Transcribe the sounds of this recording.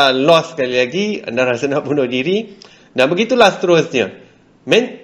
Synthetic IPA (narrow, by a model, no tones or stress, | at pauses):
lɔsːkalilaɡia̰ndaɾasanaʔbunʊhdiɾi | danbəɡit̪ulasət̪əɾʊsɲə̃ | mɛ̃n